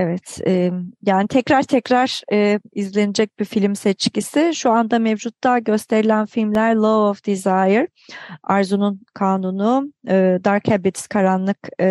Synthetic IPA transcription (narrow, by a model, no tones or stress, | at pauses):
evɛt̪ɛjaːnit̪ʰɛcɾaɾt̪ʰɛcɾaɾ̥ːizlʲe̞nid͡ʒɛc̚bifilʲmsɛt͡ʃcisɪʃuand̪amɛvd͡ʒut̪̚d̪aːɟø̞st̪ʰe̞ɾilʲænfilʲmlʲæɾlˠovofd̪̥izajɯɾ | aɾzununkʰaːnunuɯd̪aɾkʰɛbit̪skʰaɾanlˠɯk